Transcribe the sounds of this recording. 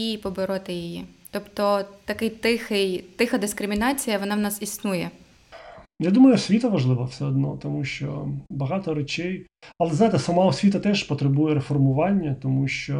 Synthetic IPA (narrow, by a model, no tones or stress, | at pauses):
ipɔbɪɾɔt̪ɪjijit̪ɔpt̪ɔt̪ɐkɪjt̪ɪxɪjt̪ɪxɐd̪ɪskɾʲɪmʲɪnɑt͡sʲijɐʋɔnɑʋnɑsisnujɛ | jad̪umɐjʊsʲʋʲit̪ɐʋɐʒlˠɪʋɐwsɛɔd̪nɔt̪ɔmuʃt͡ʃɔ̰bɐɦɑt̪ɔɾet͡ʃɛj | ɐlˠɛznajɪt̪ɛsɐmɑɔsʲʋʲit̪ɐt̪ɛʒpɔt̪ɾebujɛɾefɔrmʊʋɑnʲːɐt̪ɔmuʃt͡ʃɔ